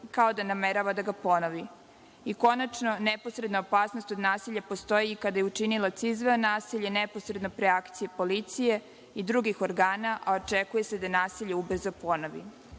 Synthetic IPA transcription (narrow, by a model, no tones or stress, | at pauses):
kao̞d̪anameɾaʋad̪aɡapo̞noʋi | iko̞nat͡ʃno̞nepo̞sɾed̪naopaːsno̞st̪o̞d̪naːsiʎʲapo̞st̪o̞jiːkad̪ajeut͡ʃinilat̪sizʋeonaːsiʎeneposɾe̞d̪no̞pɾeakt̪sijepo̞lit̪sije̞ | id̪ɾuɡixo̞ɾɡaːnaʔaot͡ʃekuje̞se̞d̪anaːsiʎeubr̩zopo̞noʋḭ